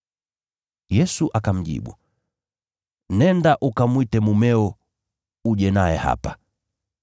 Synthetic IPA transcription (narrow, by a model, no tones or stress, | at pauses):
jɛsuʔakam̩ʄḭɓṵ | nɛndaʔukamwitɛmumɛɔ | uʄɛnaɛha̰pa